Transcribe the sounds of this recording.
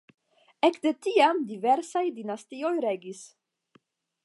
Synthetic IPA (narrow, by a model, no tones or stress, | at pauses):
ekde̞tiamdive̞ɾsajdinastio̞jɾe̞ɡis